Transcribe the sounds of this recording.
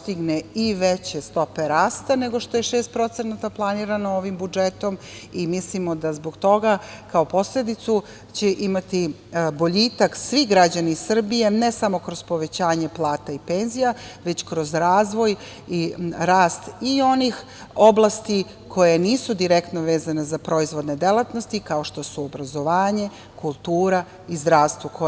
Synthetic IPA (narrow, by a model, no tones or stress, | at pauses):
st̪iɡneiʋet͡ɕe̞st̪o̞pe̞ɾaːst̪ane̞ɡo̞ʃt̪ojeʃeːst̪̚pɾo̞t̪senat̪aplˠaniːɾanooʋimbud͡ʒet̪o̞m | imislimo̞d̪azboɡt̪o̞ɡakao̞po̞sle̞d̪it̪su | t͡ɕeʔimat̪i | bo̞ʎiːt̪aksʋiɡɾad͡ʑanisr̩bije̞nesamo̞kɾo̞z̥po̞ʋe̞t͡ɕaːɲe̞plˠaːt̪aipenzijaʋe̞t͡ɕkɾo̞zɾaːzʋo̞j | iɾaːst̪io̞nix | o̞blˠast̪i | kʰo̞jeniːsud̪iɾe̞kt̪noʋeːzanezapɾo̞izʋo̞d̪ne̞d̪elˠat̪nost̪ikao̞ʃt̪o̞suobɾazo̞ʋaːɲe̞ | kulˠt̪uːɾa | izd̪ɾaːʋst̪ʋuko